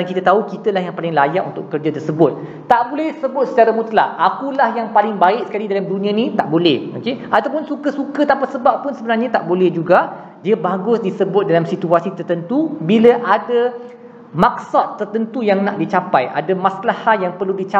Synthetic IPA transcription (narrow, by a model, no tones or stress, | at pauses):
ankit̪at̪aukit̪əlahjaŋpalɪŋlajaʔunt̪ʊʔkərd͡ʒat̪ərsəbʊt̪̚ | t̪aʔbolɛhsəbʊt̪̚sət͡ʃaɾamũt̪la̰ʔakulahjaŋpalɪŋbaɪk̚sə̥kalidalamdunĩãnĩt̪aʔbolɛhokeʔat̪awp̬ʊnsukəsukət̪ampasəbappːʊnsəbənarɲãt̪aʔbolɛhd͡ʒuɡa | diəbaɡʊsdisəbʊt̪̚dalamsit̪uasit̪ərt̪ənt̪ubiləʔada | mak̚sat̪ːərt̪ənt̪ujaŋnaʔdit͡ʃapajʔa̰damãslahat̪̚jaŋpərludit͡ʃa